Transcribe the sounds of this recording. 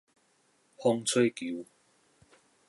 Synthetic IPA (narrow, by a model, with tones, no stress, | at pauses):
pʰɔ˥ŋt͡sʰe˥jki˨˦w